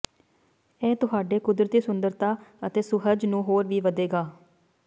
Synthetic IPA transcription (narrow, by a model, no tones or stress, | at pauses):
ɛːt̪ʊɦaːɖeːkʊd̪ɾət̪iːsʊnd̪əɾt̪aːət̪eːsʊɦəd͡ʒnũːɦoːɾʋiːʋəd̪eːɡaː